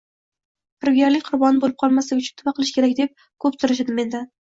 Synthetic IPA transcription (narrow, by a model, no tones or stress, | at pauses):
pʰɪɾɡʲaɾlɪk̚ʲqʰʊɾbɒnɪbolɪp̚qʰɒlˠmasɪʊt͡ʃʰʊnt̪ʰʊbaqʰɨlˠɪʃkʲʰeɾak̚ʲd̪e̞p̚ | kʰɵpsʊɾɪʃ̬ɪd̪ɪme̞nd̪ɪ